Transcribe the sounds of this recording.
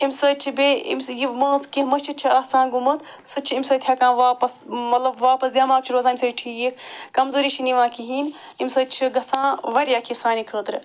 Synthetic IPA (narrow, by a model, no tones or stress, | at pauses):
imʲsəːt͡ʃʰibeːḭmʲsjimɐːskiɦmɐt͡ʃʰit͡ʃʰiaːsãːnɡumɐt̪ | sɨt͡ʃʰiimʲsɐːt̪ʰʲjakãːnʋaːpɐsmɐt̪lɐbʋaːpɐsd̪ʲjaːmaːp̚t͡ʃʰiɾoːzaːimʲsɐːʈʰijikkɐmzoːɾiːt͡ʃʰiniʋãːkiɦiːn | imʲsɐːt͡ʃʰiɡɐsãːʋɐɾʲjaːkʰisaːnikʰəːt̪ɾɨ